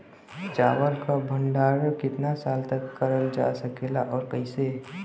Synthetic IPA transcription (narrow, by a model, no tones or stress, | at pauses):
t͡ʃa̰ːʋəɾkabʱə̃ɳɖaːɾkɪt̪nasaːlt̪əkːəɾəld͡ʒa̰səkeːlaʔɔːɾkəɪse